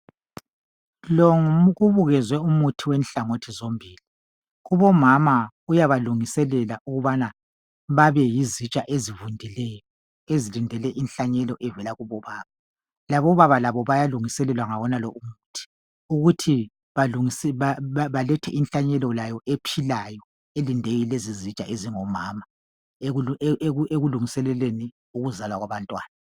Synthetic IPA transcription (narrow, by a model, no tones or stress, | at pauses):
lɔŋɣuβuɣɛzwɛumutʰiwɛnɬaŋotʰizombʱiːli | ɣuβɔmama | ujaβaluŋisɛlɛlaʔuɣuβana | βaβɛjizit͡ʃʼaʔezivundʱilɛjɔ | ezilindʱɛlɛʔinɬaɲɛlɔʔɛvɛlaɣuβɔβaːβa | laβɔβaβalaβɔβajaluŋisɛlɛlwaŋaβɔnalɔʔumutʰi̥ | uɣutʰi | βaluŋisaβalɛtʰɛʔinɬaɲɛlɔlajɔʔepʰilajɔ | elindʱejilezizit͡ʃʼa̰ʔeziŋɔmaːma | eeeeɣuluŋisɛlɛleni | uɣuzalwaɣwaβantʼwaːna